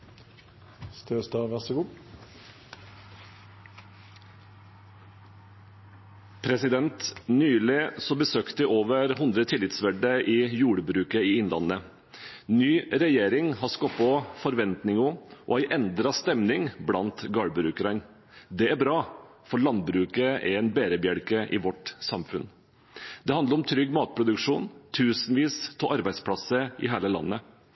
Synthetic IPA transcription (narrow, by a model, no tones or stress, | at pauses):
st̪øːst̪ɑːʋæsəɡuː | pʰɾɛsɪd̪ɛnt̪nyːlɪsɔbəsøːkt̪əʔoːʋəɾhʊnd̪ɾət̪ʰɪlɪt̪sʋæɖəʔiːjuːɽəbɾʉːkəiːɪnlɑ̰nə | nyːɾɛjeːɾɪŋɦɑskɔpːɔfɔɾʋɛnt̪nɪŋɔʔɔ̰æɪʔɛnd̪ɾɑst̪ɛmnɪŋblɑnt̪ɡɑːɽbɾʉːkəɾən | d̪ɛæɾbɾɑː | fɔɾɭɑnd̪bɾʉːkəʔæ̰ɾɛɪnbeːɾəbjæɽkəʔɪʋɔʈsɑmfʉn | d̪ɛɑnd̪əɾɔmt̪ʰɾʏɡːmɑːt̪̚pʰɾʊd̪ʉkʂuːnt̪ʰʉːsənʋiːst̪ʰɔʔɑɾbæɪspʰlɑsəʔɪ̰ɦæːləlɑ̰nːə